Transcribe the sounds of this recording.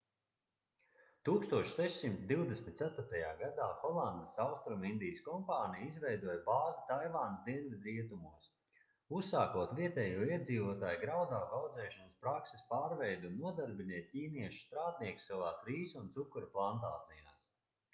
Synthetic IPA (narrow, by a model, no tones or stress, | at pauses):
t̪uːkst̪uɔʃsɛʃsimt̪d̪iwd̪esmʲit̪t̪sæt̪ʊɾt̪ɐjaːɡad̪aːxɔlˠand̪əsawst̪ɾumind̪ijəskɔmpaːnijizvɛjd̪uɔjbaːzat̪ajvaːnɐzd̪iɛnvʲid̪ɾiɛt̪umuɔs | usːaːkuɔt̪viɛt̪ɛːjuɔiɛd̪ziːvuɔt̪aːjɡɾawd̪aːkawd̪zɛːʃɔnəspɾakse̥spaːɾvɛjd̪unuɔd̪aɾbinʲɛt̪̚ʲtʲiːniɛʃu̥st̪ɾaːt̪̚niɛkssavaːsɾiːsunt̪sukːuɾplˠant̪aːt̪zijaːs